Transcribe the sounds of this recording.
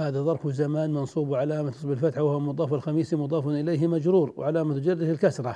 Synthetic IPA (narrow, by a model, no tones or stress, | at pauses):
haːðaðˤɑɾˤfzamaːnmɑnsˤuːbʕalaːmat̪ʊ̥sˤblfat̪ħawahwamʊd̪ˤɑːfalxɑmiːsimʊd̪ˤɑːfʊnʔɪlejɦɪmad͡ʒɾuːɾwʕalaːmat̪d͡ʒɪrːɪɪlkasɾˤɑ